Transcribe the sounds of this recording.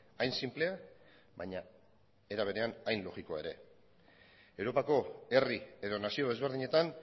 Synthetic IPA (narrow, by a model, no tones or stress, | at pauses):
ajnsimple̞a | βaɲa | e̞ɾaβ̞e̞ɾe̞anajnlo̞ɣikoae̞ɾe̞ | e̞wɾo̞pako̞e̞rie̞ðo̞nasio̞ðe̞zβ̞e̞ɾðiɲe̞t̪an